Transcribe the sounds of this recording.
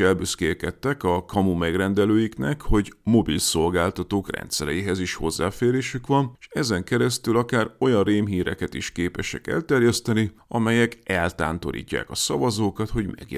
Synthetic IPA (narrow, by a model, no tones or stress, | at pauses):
ɛlbyskeːkɛt̪ːɛkɒkɒmumɛɡrɛnd̪ɛløːjiknɛkho̞ɟmo̞bilso̞lɡaːlt̪ɒt̪oːkrɛ̰nt̪sɛɾɛjiɦɛziʃho̞̰zːaːfeːɾeːʃykʋɒnʃɛzɛŋkɛɾɛst̪ylɒkaːro̞jɒnreːmɦiːɾɛkɛt̪iʃkeːpɛʃɛ̰kɛ̰lt̪ɛrjɛst̪ɛniɒmɛjɛkɛlt̪a̰ːnt̪o̞̰ɾḭːcːa̰ːkɒsɒvɒzoːkɒt̪ho̞ɟmɛ̰ɡ